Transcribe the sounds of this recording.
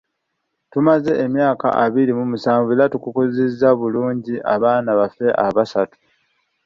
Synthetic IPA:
tumaze̞ʔːmjaːka̰ʔaβiɾimumusaːɱvulatukukozezːaβuluːɲɟiʔaβaːnaβafe̞ʔaβasatu̥

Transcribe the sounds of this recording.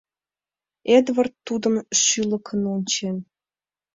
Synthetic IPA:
ed̪vərt̪ːud̪əmʃylə̆kʰə̆nonʲt͡ɕen

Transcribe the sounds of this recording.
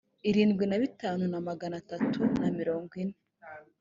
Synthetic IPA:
iɾiːnɡwinaβitaːnunamaɡanatatʰunamiɾo̞ːŋɡwinːe

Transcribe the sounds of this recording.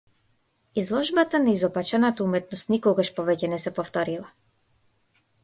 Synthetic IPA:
izlˠɔʒbat̪anaizɔpat͡ʃanat̪aumɛt̪nɔst̪nikɔɡaʃpɔvɛcɛnɛsɛpɔft̪ɔɾilˠa

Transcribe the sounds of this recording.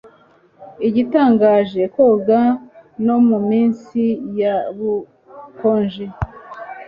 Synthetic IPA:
iɟitaːŋɡaːʒe̞koɡano̞mumiːnsijaβu | koːnʒe

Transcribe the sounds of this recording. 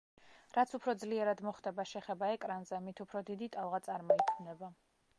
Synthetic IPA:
ɾat̪sʰupʰɾɔd̪zliɛɾad̪mɔχd̪ɛbaʃɛχɛbaɛkʼɾanzɛmit̪ʰupʰɾɔd̪id̪it̪ʼalˠʁat̪sʼaɾmɔik̪ʰmnɛba

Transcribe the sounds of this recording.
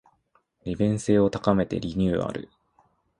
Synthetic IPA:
ɾʲibẽ̞ɰ̃se̞ːo̞t̪akame̞t̪e̞̰ɾʲiɲ̟ʲɨːa̰ɾɯ̟̰

